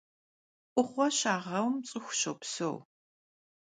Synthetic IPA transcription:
ʔʷʼʊχʷɔɕaːʁɐwmt͡sʼɨxʷʊɕowpso̰w

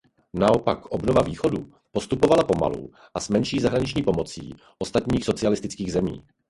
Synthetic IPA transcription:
nao̞pa̰kʔo̞bnovaviːxo̞du | po̞st̪upo̞valapo̞ma̰lṵ | ʔasmɛnʃiːzaɦɾaɲɪt͡ʃɲiːpo̞mo̞t͡sḭː | ʔo̞st̪at̪ɲiːxso̞t͡sɪalɪst̪ɪt͡skiːɣzɛmḭː

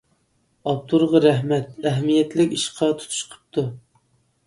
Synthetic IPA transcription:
ɑp̚t̪ʰuɾʁɑɾæɦmɛt̪æɦɛmijɛt̪lɪkʲiʃqʰɑt̪ʰu̥t̪ʰu̥ʃqʰə̥p̚t̪ʰu

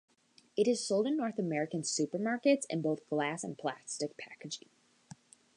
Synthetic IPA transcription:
ɨɾɨz̥soʊlˠdɨ̃nːɔɹθəmɛɹɨkɨ̃nsʉpə˞mɑɹkɨtsɨ̰̃nboʊθɡ̥læsə̰̃npʰl̥æ̰stɨk̚pʰæ̰kɨd͡ʒɪ̰

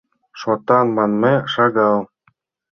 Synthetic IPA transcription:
ʃot̪ɑnmɑnmeʂɑɡɑlˠ

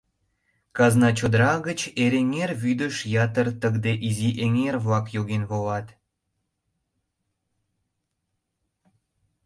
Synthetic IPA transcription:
kɑznɑt͡ɕod̪əɾɑɣət͡ɕeɾeŋerβyd̪əʃjɑt̪ərt̪əɣd̪eʔiziʔeŋerβlɑkjoɣenβolɑt̪

